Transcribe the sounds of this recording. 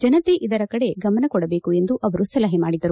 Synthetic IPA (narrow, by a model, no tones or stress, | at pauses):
d͡ʒɐnɐt̪eʔid̪ɐɾɐkɐɽe̞ɡɐmɐnɐkɔɽɐbeːkue̞nd̪uʔɐʋɐɾusɐlɐɦemaːɽid̪ɐɾu